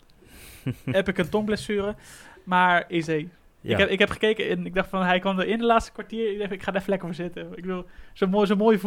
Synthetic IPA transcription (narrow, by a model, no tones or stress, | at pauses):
ɦɛpɪkəntɔmblɛsyːɾəmaːɹezej | ɪɛɪkɦɛpχə̥kejkəɛnɪɡ̚dɑχtfɔnɦɛjkɔndəɹɪndəlaːtstə̥kʋaɹtiːɹɪɡ̚dɛɪkχaːdɛfənlɛkəɹfəzɪtəɪɡ̚bədulˠz̥omozomoːjəv